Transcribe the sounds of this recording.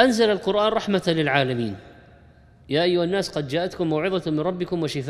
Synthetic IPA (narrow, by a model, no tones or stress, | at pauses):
ʔanzalalqʊɾʔaːnɾˤɑħmalɪlʕaːlamiːn | jaːʔajːʊhanːaːsqɑd̪d͡ʒaːʔat̪kʊmːawʕɪðˤɑmɪnɾˤɑbːɪkʊmwɪʃɪfaː